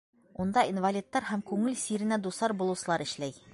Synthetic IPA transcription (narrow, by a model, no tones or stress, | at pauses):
und̪ɑinvɐlʲit̪ːɑɾhæmkʉŋɘlsiɾɘ̆næd̪usɑɾbulˠɤ̆wsɤ̆lˠɑɾɘ̆ʃlæj